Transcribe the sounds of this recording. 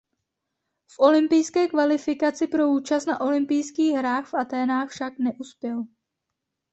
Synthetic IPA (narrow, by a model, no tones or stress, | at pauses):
fʔo̞lɪmpɪjskɛːkvalɪfɪkat͡sɪpɾo̞uːt͡ʃast̪naʔo̞lɪmpɪjskiːɣɦɾaːxfʔat̪ɛːnaːxfʃaknɛʔuspjɛl